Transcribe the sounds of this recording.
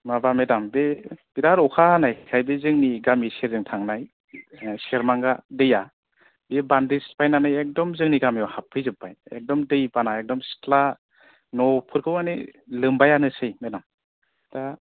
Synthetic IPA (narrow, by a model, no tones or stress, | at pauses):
mabamedambeb̥idaɾɔkʰanajkʰajbezɯŋniɡamiseɾzɯŋtʰaŋnaj | seɾmaŋɡadɯja | bebandispajnanajek̚dɔmzɯŋniɡamejɔhapʰːɯjzɯpːajḛk̚dɔmdɯjpanaek̚dɔmstla | nɔpʰɯɾkʰɯwanelɯmbajanɯsɯjmedam | da